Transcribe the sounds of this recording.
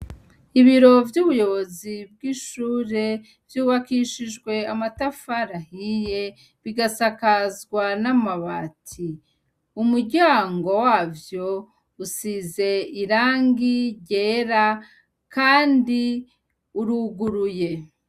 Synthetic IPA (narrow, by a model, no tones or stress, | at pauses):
iβiɾo̞vjuːβujo̞βo̞zib̚ɡiːʃuːɾe̞ | vjuːβakiʃiʒɡwe̞amatafaɾahije̞ | βiɡasakazɡwanamaβatʰi | umuɾɟaːŋɡo̞waːvjo̞ | usize̞iɾaːŋɡiɟe̞ɾa | kaːndi | uɾuɡuɾuje̞